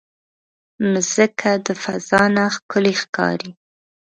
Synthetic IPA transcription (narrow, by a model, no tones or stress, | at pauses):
məz̥əkʰad̪əfaz̥ɑnaxkʊlixkɑ̰ɾi